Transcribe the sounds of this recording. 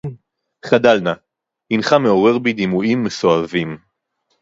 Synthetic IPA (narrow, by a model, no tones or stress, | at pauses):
χad̪alna | inχame̞o̞ʁe̞ʁbid̪imuʔimːesoavim